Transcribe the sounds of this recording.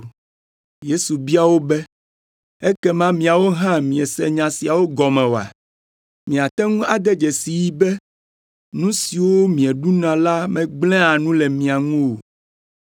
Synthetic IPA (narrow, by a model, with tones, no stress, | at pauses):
je˦su˨bi˦a˨wo˦bɛ˦ | ɛ˦kɛ˦mã˦mĩ˨a˨wo˦ɦã˦mĩ˨ɛ˨sɛ̰˨ɲã˨si˨a˨wo˦ɡɔ˨mɛ̃˨wo˨a̰˨ | mĩ˨a˨t̪ɛ˦ŋũ˦a˨d̪ɛ˦d͡ʒɛ˨si˨ji˦bɛ˦ | nũ˦si˨wo˦mĩ˨ɛ˨ɖu˦nã˨la˦mɛ̃˨ɡ͡blɛ̃˦a˨nũ˦lɛ˨mĩ˨a˨ŋũ˦wo˨